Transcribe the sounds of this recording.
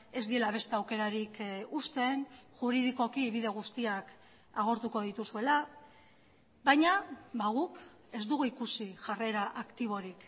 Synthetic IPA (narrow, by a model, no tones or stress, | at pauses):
e̞zd̪ie̞laβ̞e̞st̪e̞awke̞ɾaɾikust̪e̞nʝuɾiðiko̞kiːβiðe̞ɣ̞ust̪iak | aɣ̞o̞ɾt̪uko̞ð̞it̪usue̞la | bajɲabaɣ̞uk | e̞zd̪uɣuikusiʝare̞ɾaʔakt̪iβ̞o̞ɾik